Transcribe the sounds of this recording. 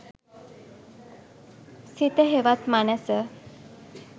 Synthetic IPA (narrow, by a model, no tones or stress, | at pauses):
sit̪əɦeʋat̪manəsə